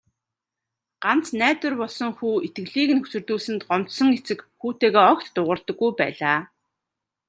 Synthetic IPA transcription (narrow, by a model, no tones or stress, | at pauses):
ɢ̥an̥t͡snæːt̪ɵ̆rpɔɮsɞ̆ŋxuːit̪ɡɘ̆ɮiːkɘ̆nɵsɵ̆rt̪uːɮsɘ̆nt̪ɢɔm̥t̪sɞ̆ŋɡet͡sɘ̆kxuːt̪eːɣeːɔkt̪ːʊʁə̆rt̪ɞ̆ɡːujpæ̰ːɮaː